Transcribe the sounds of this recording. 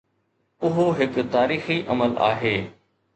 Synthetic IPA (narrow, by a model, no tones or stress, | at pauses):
ʊɦoɦɪkt̪aːɾiːxiʔɐ̰məla̰ːɦeː